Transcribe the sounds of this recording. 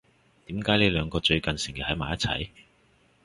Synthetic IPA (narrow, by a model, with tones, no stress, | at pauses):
t̪iː˨˥mkaː˨˥jliː˥lœː˨˧ŋkɔː˧t͡ʃɵ˧ɥkɐ˨nsɪ˨˩ŋki˨˩thɐ˨˥jmaː˨jɐ˥t̚t͡sʰɐ̰˨˥j